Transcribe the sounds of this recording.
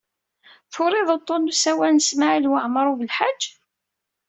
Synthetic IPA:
θʊɾˤɪðˤət̪ˤːonusæwænəsmaʕilwaʕmɾˤuvəlħad͡ʒː

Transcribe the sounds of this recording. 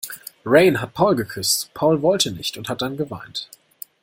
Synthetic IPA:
ʁeɪnɦat̚pʰaʊlɡəkʰʏstpʰaʊlvɔltʰənɪçtʊnthat̚d̥anɡəvaɪnt

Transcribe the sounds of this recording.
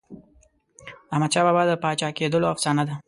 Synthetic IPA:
ahmad̪ʃɑbɑbɑd̪əpɑt͡ʃɑked̪əloafsɑnad̪a

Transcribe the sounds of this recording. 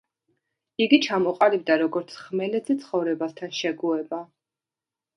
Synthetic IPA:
iɡit͡ʃʰamɔqʼalib̚d̪aɾɔɡɔɾt̪sʰχmɛlɛd̪zit̪sʰχɔvɾɛbast̪ʰanʃɛɡuɛba

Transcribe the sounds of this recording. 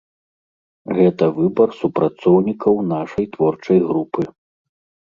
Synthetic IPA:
ɣɛt̪ɐvɨbɐrsupɾat̪sɔwnʲikʰɐwn̪aʂɐjt̪vɔrt͡ʂɐjɣɾupɨ

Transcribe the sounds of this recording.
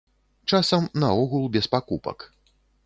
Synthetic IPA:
t͡ʂasɐmnɐɔɣulˠbʲɛspakupɐ̰k

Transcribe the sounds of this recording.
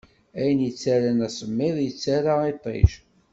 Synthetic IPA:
æjənjət͡sːæɾænæsəmːɪðˤjət͡sːaɾait̪ˤḛʒ

